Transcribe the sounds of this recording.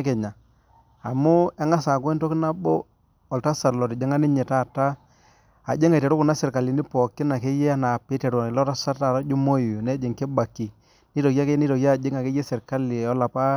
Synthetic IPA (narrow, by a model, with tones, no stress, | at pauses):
kɛ˨ɲa˨ | a˨mʊ˦ɛ˦ŋa˦saː˨kwɛ˦nto˦kɪ˦na˦bo˦ | ɔ˨lta˦sa˨lɔ˨ti˨d͡ʒe˦ŋa˦ni˦ɲɛ˨ta˦˨ta˦ | a̰˨d͡ʒe˦ŋa˨tɛ˨ɾu˦ku˨na˦sɪ˨ɾka˨li˨ni˦pɔ˨kːɪ˦na˨ke˦jɛ˦a˦na˨pi˦tɛ˨ɾlɔ˦ta˦sa˦ta˦˨ɾa˦d͡ʒu˦mo˦ju˨nɛ˦d͡ʒe˨ŋke˦ba˨kːi˨ | ni˦tɔ˨ka˦ke˦ni˦tɔ˨ka˦˨d͡ʒe˦ŋa˨ke˦je˦sɪ˨ɾka˦li˨ɔ˦la˨pa˦